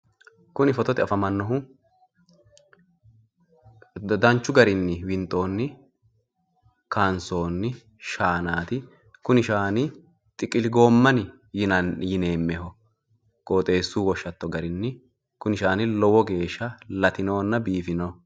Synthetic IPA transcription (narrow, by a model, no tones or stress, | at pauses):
kʊnɪfɔt̪ɔt̪ɪɐfɐmɐnːɔɦʊ | d̪ɐnt͡ʃːʊɡɐɾɪnːɪwɪnt̪ʼːo̞ːnːɪ | kɐnso̞ːnːɪ | ʃaːnaːt̪ɪ | kʊnɪʃaːnɪ | t̪ʼɪkʼɪlɪɡo̞ːmːɐnɪ | jɐjɪne̞ːmːɛɦɔ | kʼo̞ːt̪ʼe̞ːsːuːwɔʃːɐt̪ːɔɡɐɾɪnːɪ | kʊnɪʃaːnɪlɔwɔɡe̞ːʃːɐlɐt̪ɪno̞ːnːɐbiːfɪno